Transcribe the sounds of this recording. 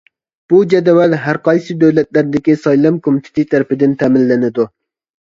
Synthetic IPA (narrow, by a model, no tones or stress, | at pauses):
b̥ud͡ʒɛd̪ɛwɛlɦæɾqʰɑjsɨd̪øwlɛt̪læɾd̪ɪkʲisɑjlˠɑmkʰomɪt̪ʰɪ̥sɨt̪ʰæɾɪpɪd̪ɪnt̪ʰɛmɪlːɪnɪd̪u